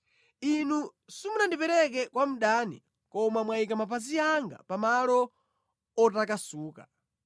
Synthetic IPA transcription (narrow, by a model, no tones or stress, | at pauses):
inusumunandipɛɾɛk̬ɛkwam̩ɗanḭ | kɔmamwaikamapazijaŋɡa̰pamalɔ | ɔtakasuːka